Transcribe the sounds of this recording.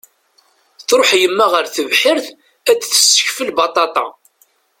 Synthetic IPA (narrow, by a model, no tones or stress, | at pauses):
θɾoħjəmːæʁəɾθəvħɪɾθ | æt͡sːθə̥sːə̥çfəlbɑt̪ˤɑt̪ˤɑ̰